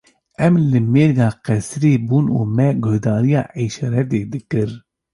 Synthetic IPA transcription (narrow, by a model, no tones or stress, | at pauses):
ɛmlɨmeːɾɡɑːqɛsɾeːbuːnṵːmɛɡʊhd̪ɑːɾijɑ̰ːʕiʃɑːɾɛt̪̬eːd̪ɨkɨɾ